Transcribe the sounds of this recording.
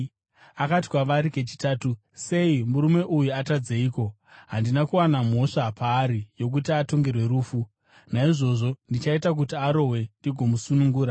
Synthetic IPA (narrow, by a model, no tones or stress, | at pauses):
akati̥kwaʋaɾike̞t͡ʃi̥taːtu | se̞imuɾume̞ʔujuatad͡zeiːko̞ | ɦandinakuwanam̤o̞ʂapʰaːɾijo̞k̬utiato̞ŋɡe̞rwe̞ɾuːfu | naiʐo̞ʐo̞ndit͡ʃaitak̬utiaɾo̞ɦwe̞ndiɡʱo̞musunuŋɡuːɾa